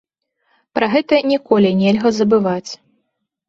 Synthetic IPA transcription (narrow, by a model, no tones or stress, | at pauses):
pɾɐɣɛt̪ɐnʲɛkɔlʲinʲɛlʲɣɐzɐbɨvat͡sʲ